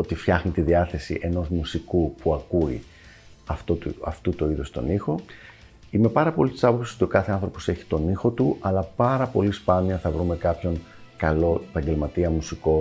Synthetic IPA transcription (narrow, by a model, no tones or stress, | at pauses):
ot̪ifçɐxnit̪iðiɐθe̞sḭʔe̞no̞zmusikupuɐkuḭ | ɐft̪ot̪uɐft̪ut̪oiðost̪o̞̰nixo̞ | ime̞pɐɾɐpo̞list̪i̥sɐpo̞psiso̞t̪io̞kɐθe̞ɐnθɾo̞po̞se̞çi̥t̪o̞nixo̞t̪uʔɐlɐpɐɾɐpo̞lispɐniɐθɐvɾume̞kɐpço̞n | kɐlo̞epɐɲɟe̞lmɐt̪iɐmusiko̞